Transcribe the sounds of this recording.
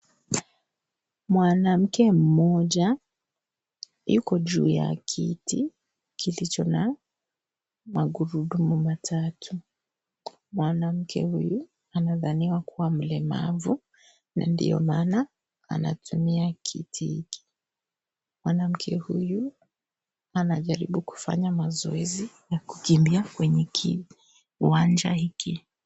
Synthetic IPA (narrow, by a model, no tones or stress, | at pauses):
mwanam̩kɛm̩mɔʄa | ikɔʄṵːja̰kʰiti | kʰilit͡ʃɔna | maɡuɾuɗumumatʰatʰu | mwanam̩kʰɛ̰huju | anaðaniwakuwam̩lɛma̰vu | na̰ndḭjɔ̰maːna | a̰na̰tʰumiakʰḭtʰihḭki̥ | mwanam̩kʰɛhuju | anaʄaɾḭɓuku̥fa̰ɲamazɔɛzijaku̥kimbiakwɛɲɛkʰi | wand͡ʒahiki